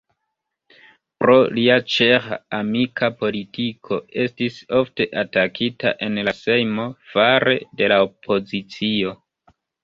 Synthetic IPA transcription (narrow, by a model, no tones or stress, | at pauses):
pɾo̞liat͡ʃeɾaamikʰapo̞litikʰo̞e̞stiso̞fte̞ʔatakʰita̰ʔe̞nlase̞jmo̞faɾe̞̰de̞laopʰo̞zit͡sio̞